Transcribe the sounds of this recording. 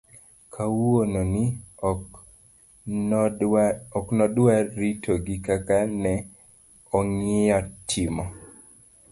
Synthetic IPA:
kʰawononi | ɔknɔdwaɾitʰoɡikakanɛ | ɔŋɪjɔtʰɪmɔ

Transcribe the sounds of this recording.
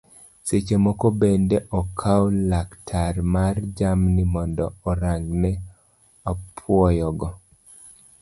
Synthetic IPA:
set͡ʃemɔkɔbendɛʔɔkʰaɔlaktʰarmard͡ʒamnimɔndɔːɾaŋɡnɛ | apʰwɔjɔɡɔ

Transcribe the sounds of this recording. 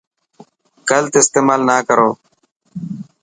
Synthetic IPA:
kəlt̪eɪst̪eːmaːlnaːkəɾoː

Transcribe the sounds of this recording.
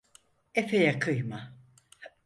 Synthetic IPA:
efejakʰɯjma

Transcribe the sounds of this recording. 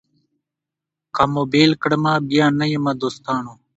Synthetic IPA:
kamoːbeːlkəɽmãːbijaːnɐjemɐd̪oːst̪aːnoː

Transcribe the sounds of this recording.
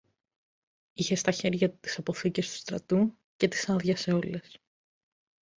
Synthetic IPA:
içe̞st̪ɐçe̞ɾʝɐt̪i̥sɐpo̞θicest̪u̥st̪ɾɐt̪u | ce̞t̪i̥sɐðʝɐse̞o̞le̞s

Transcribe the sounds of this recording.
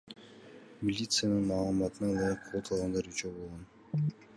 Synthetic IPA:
mʲilʲit̪sɨjanɯɴmɑːlˠmɑt̪ənɑlˠɑjqʰolˠt̪ʰɯlˠʁɑnd̪ɑɾyt͡ʃøbolˠʁon

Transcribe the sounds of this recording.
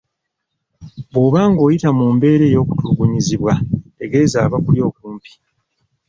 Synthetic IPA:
βwoːβaːŋɡo̞ːjitamuːmbe̞ːɾe̞ːjo̞ːkutuuɡuɲiziβwaeɡe̞ːzaːβakuljo̞ːkuːmpi̥

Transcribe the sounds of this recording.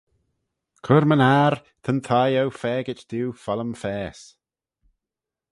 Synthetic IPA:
kʰʊɾmənaːɾt̪ʰənt̪ʰajowfɛːɡɪt͡ʃd̪̥uːfɔləmfɛːs

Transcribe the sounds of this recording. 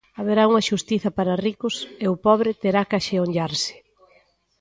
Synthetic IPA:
aβeɾauŋɐʃust̪iθɐpaɾɐrikʊseʊpɔβɾɪt̪eɾakaʃeoɲʎaɾsɪ̥

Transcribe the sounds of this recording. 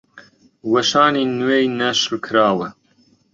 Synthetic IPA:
wɐʃɑːniːnwejnɐʃlkʰɨɾɑːwə

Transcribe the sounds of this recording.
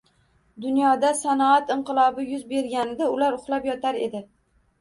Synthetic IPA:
d̪ʊnjɒd̪asanɒat̪ɪɴqɨlˠɒbɪjʊzbe̞ɾɡʲanɪd̪aʊlaɾʊχlˠapjɒt̪ʰaɾe̞d̪ɪ

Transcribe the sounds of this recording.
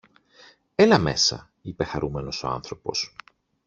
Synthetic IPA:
e̞lɐme̞sɐ̰ | ipe̞xɐɾumeno̞so̞ɐ̰nθɾo̞po̞̰s

